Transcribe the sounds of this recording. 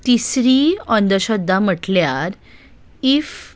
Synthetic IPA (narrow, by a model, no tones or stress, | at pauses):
t̪isɾiənd̪əɕɔd̪ːam̤əʈljaɾ | if